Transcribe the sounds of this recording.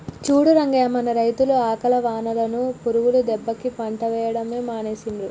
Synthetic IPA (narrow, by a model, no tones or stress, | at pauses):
t͡ʃuːɽuɾɐŋɡaːɐmɐnɐɾɐjt̪uluaːkɐlɐʋaːnɐlɐnupuɾuʋulud̪ɛbːɐkipɐɳʈɐʋɛːjɐɽɐme̞ːmaːneːsinɾu